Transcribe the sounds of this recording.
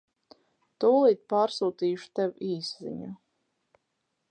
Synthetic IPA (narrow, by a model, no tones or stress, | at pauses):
t̪uːlˠiːt̪̚paːɾsuːt̪iːʃu̥t̪ɛwiːszḭɲu